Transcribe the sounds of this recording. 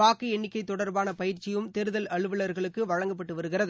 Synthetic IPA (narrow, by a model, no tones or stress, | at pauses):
aːkːɯɛɳːɪkːɐɪt̪ːɔɽɐɾbaːnɐpɐjɪɾt͡ʃɪjɯmt̪ɛɾɯðɐlɐɭɯʋɯɭɐɾɣɐɭɯkːɯʋɐɻɐŋɡɐpːɐʈːɯʋɐɾɯɣɪrɐðɯ